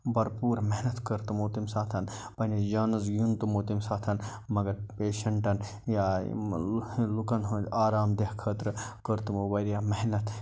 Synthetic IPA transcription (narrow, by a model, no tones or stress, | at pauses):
bɐɾpuːɾmeɦnɐt̪kəɾt̪umoːt̪imsaːt̪ʰɐnpɐned͡ʒaːnɐzɡjunt̪umoːt̪imsaːt̪ʰɐn | mɐɡɐɾpeːʃɐɳʈɐn | ja̰ | lukɐnɦuaːɾaːmd̪ehkʰəːt̪ɾɨkəɾt̪mobɐɾjaːmɐɦnɐt̪ʰ